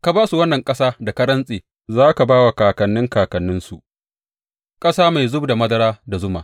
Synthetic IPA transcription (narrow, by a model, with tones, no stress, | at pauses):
ka˨baː˦su˨wɐ˦nːɐ˨ŋkʼɐ˦saː˦da˨kɐ˦ɽɐ˦nsʼeː˨ | zaː˦ka˨baː˦wa˨kaː˨kɐ˨nːɪ˦ŋkaː˨kɐ˨nːɪ˦nsu˨ʔ | kʼɐ˦saː˦ma˨jzʊ˦bda˨mɐ˦dɐ˦ɽaː˦da˨zʊ˦ma̰ː˨